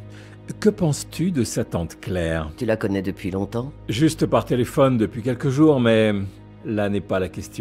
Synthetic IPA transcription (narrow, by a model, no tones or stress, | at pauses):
kəpɑ̃st̪yd̪əsat̪ɑ̃t̪klɛːʁt̪ylakɔnɛd̪əpɥilɔ̃t̪ɑ̃ʒyst̪paʁt̪elefɔnd̪əpɥikʲɛlkəʒuʁmɛ | lanɛpalakʲɛst̪jɔ̃